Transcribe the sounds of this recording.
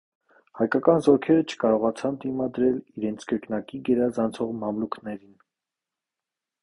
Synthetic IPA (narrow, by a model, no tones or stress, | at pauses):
hɑjkɑkɑnzɔɾkʰɛɾət͡ʃʰə̥kɑɾɔʁɑt͡sʰɑnt̪imɑd̪ɾɛliɾɛnt͡sʰkəɾknɑkiɡɛɾɑzɑnt͡sʰɔʁmɑmluknɛɾin